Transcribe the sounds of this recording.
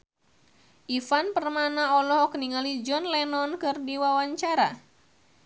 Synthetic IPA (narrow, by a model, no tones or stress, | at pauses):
ʔifanpərmanaɔlɔhɔkniŋalid͡ʒɔnlɛnɔnkɨrdiwawaɲt͡ʃaɾa